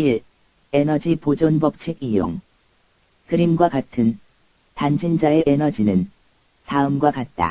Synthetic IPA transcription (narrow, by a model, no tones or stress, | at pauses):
iɾ | enʌd͡ʑipod͡ʑonbʌp̚t͡ɕʰiɡijo̰ŋ | kɯɾimɡwakatʰɯn | tand͡ʑʰind͡ʑaeʔenʌd͡ʑinɯn | taɯmɡwakat̚t͈a̰